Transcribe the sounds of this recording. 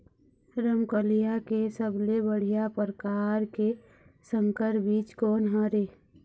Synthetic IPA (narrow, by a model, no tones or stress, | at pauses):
ɾəmkəlijakesəblebəɽ̤ijapəɾkaːɾke | sə̃ŋkəɾbiːt͡ʃkɔːnɦəɾe